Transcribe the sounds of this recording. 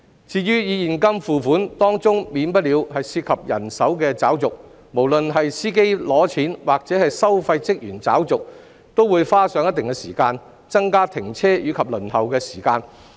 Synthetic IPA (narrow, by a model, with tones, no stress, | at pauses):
t͡siː˧ɥyː˥jiː˨˧jiː˨˩nkɐ˥mfuː˨fuː˨˥nt̪ɔː˥ŋt͡sʊ˥ŋmiː˨˧npɐ˥t̚li˨˧whɐ˨jsiː˧t̚kʰɐ˨p̚jɐ̰˨˩nsɐ˨˥wkɛː˧t͡saː˨˥wt͡sʊ˨k̚ | mo˨˩wlɵ˨nɦɐ˨jsiː˥ke˥jlɔː˨˥t͡sʰiː˨˥nwʔaː˨k̚t͡sɛː˨˥hɐ˨jsɐ˥wfɐ˧jt͡sɪ˥k̚jyː˨˩nt͡sa̰ː˨˥wt͡sʊ˨k̚ | t̪o˥wːuː˨˧jfaː˥sœː˨˧˥ŋjɐ˥t̪ɪ˨ŋkɛː˧siː˨˩kaː˧n | t͡sɐ˥ŋkaː˥t̪ʰɪ˨˩ŋt͡sʰɛː˥jyː˨˧kʰɐ˨p̚lɵ˨˩nhɐ˨wkɛː˧si̥ː˨˩kaː˧n